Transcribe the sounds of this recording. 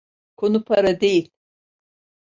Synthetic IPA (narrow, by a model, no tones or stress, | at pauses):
kʰonupʰaɾad̪ejilʲ